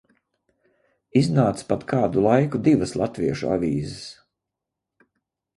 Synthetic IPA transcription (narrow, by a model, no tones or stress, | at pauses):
iznaːt̪spat̪kʰaːd̪ulˠajkud̪ivəslˠat̪viɛʃua̰vʲiːzɪs